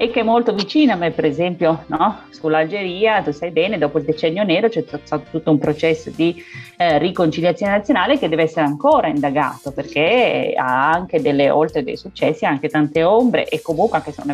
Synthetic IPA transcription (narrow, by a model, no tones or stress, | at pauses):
ekːeɛmːolt̪ovit͡ʃiːnoamːepːeɾezɛmpjonɔsulald͡ʒeɾiːat̪ust̪ajbɛːned̪ɔːpoild̪et͡ʃɛnːjonɛːɾot͡ʃɛasat̪o̥t̪ut̪ːoumpɾot͡ʃɛsːod̪irikont͡ʃiljat̪sjoːnenat̪sjonaːleked̪ɛːveɛsːeɾeaŋkoːɾaind̪aɡa̰ːt̪operk̟ea̰aŋk̟ed̪elːeo̰lt̪ɾed̪ḛjsut͡ʃːɛsːiaŋket̪ant̪eombɾḛʔekːomuŋkʷweaŋkeso̰n